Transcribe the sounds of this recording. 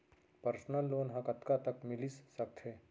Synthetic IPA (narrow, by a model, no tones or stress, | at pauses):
pəɾsnəlːoːnɦãkɐt̪kat̪ɐkmɪlisːɐk̚t̪ʰɦeː